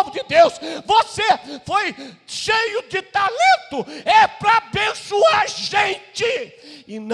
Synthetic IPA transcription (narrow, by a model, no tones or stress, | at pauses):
vʊd͡ʒɪd̪ewsvosefojʃejʊd͡ʒɪt̪alẽt̪ʊɛpɾɐbẽsuaʒẽnt͡ʃɪɪn